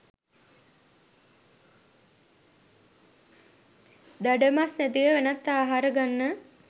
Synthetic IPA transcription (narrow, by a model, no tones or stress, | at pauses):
d̪aɖəmasnæt̪iʋəʋænɐt̪ːaːɦaɾəɡanːə